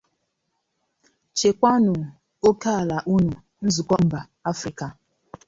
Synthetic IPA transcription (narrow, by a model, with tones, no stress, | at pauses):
t͡ʃe˨kʷa˦nʊ˨ | o˦ka˦˨la˨ʔu˦nu˨ | n̩˦zu˨kɔ˦m̩˨˦ba˨ | a˦fɾi˨ka˨